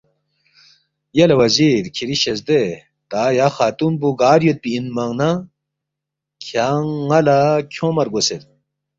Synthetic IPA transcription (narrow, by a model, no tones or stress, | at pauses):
jɐlɐwɐziɾkʰiɾiɕezd̪e | t̪aːjaxaːt̪unbuɡaːɾjot̪̚piinmɐŋna | kʰaŋːɐlakʰõmɐɾɡoset̪̚